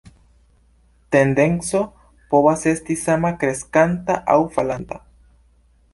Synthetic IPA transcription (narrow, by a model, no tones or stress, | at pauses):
t̪end̪e̞nso̞ | po̞βase̞st̪isamakɾeskant̪aʔa̰wfalant̪a̰